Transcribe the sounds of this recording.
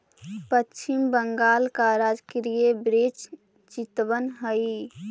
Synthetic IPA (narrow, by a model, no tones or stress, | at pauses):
pət͡ʃːt͡ʃʰimbəŋɡaːlkaɾad͡ʒkeɾiebɾet͡ʃ | t͡ʃɪt̪ʋənɦəi